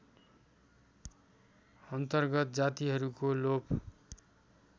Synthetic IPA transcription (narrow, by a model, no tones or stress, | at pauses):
ʌnt̪ʌrɡʌt̪̚d͡zat̪iɦʌɾukolop